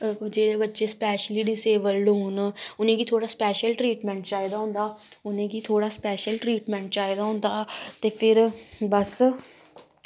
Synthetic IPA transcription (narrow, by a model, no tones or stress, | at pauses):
d͡ʒeːɽeːbətːʃeːspɛːʃəliːɖɪseːʋəlɖɦʊːnʊnẽːɡiːt̪ʰoːɽaːspɛːʃəlʈɾiːʈmɛ̃ːɳʈt͡ʃaːid̪aːɦʊ̃ːnd̪aː | ʊnẽːɡiːt̪ʰoːɽaːspɛːʃəlʈɾiːʈmɛ̃ːɳʈ̚t͡ʃaːid̪aːɦʊ̃ːnd̪aːt̪eːpʰɪɾbəs